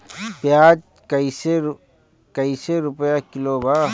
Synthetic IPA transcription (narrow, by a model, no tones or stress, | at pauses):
pjaːd͡ʒ | kəise | kəiseɾʊpəjakɪlobaː